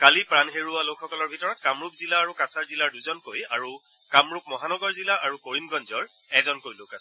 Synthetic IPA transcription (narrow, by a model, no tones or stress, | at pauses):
kalipɹanɦeɹualokxɔkɔlɔɹbʱitɔɹɔt̚kamɹupzilaːɹukasaɹzilaɹduzɔnkojaɹu | kamɹup̚mɔɦanɔɡɔɹzilaʔaɹukoɹinɡɔnzɔɹ | ɛkzɔnkojlokasɛ̥